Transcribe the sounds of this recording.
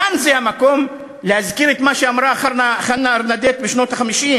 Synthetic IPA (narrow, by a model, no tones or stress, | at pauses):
anzehamako̞m | leazkiɾet̪maʃeamɾaːχaɾnaχalnaaɾnad̪et̪̚beʃnot̪aχamiʃim